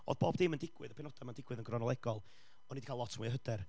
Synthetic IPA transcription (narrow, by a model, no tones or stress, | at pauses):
ɔ̰ðb̥oːb̚dɪməndɪɡ̥wɪðəpʰɛnɔd̥amandɪɡwɨðənɡrɔnɔlˠɛɡɔlˠ | ɔnːidikʰaːlˠɔtʰmujəɦədɛr